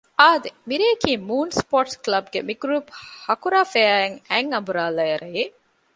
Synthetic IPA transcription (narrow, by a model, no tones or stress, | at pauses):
ʔaːd̪emiɾeːkiːmuːnspoːʈsklɐbɡemiɡɾuːphɐkuɾaːfeæːeŋæŋɐmbuɾaːlɐjɐɾʔɐje